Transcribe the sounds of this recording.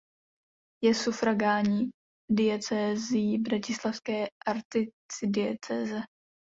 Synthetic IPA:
jɛsufɾaɡaːɲiː | dɪɛt͡sɛːzɪjibɾacɪslafskɛːʔaɾt̪ɪ | t͡sɪdɪɛt͡sɛːzɛ

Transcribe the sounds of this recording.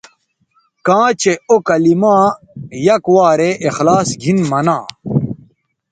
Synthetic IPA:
kãːt͡ɕeokɐlimãː | jɐkwaːɾeʔexlaːsɡʱinmɐnãː

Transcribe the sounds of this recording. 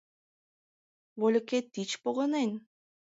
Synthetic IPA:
βolʲeket̪ːit͡ɕpoɣɤnen

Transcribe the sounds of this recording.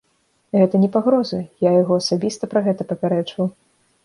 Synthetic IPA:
ɣɛt̪ɐnʲɛpaɣɾɔzɐjajaɣɔɐsabʲist̪ɐpɾɐɣɛt̪ɐpɐpʲɛɾɛt͡ʂvɐw

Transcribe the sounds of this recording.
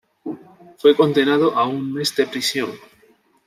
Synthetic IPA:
fwe̞ko̞nd̪e̞nað̞oʔauŋme̞zd̪e̞pɾisjõ̞ŋ

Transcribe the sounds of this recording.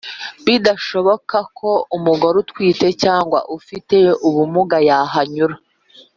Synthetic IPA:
βidaʃo̞βo̞kakʰo̞umuɡoɾutwiːte̞caːŋɡwa̰ʔufite̞uβumuɡajaɦaɲuɾa

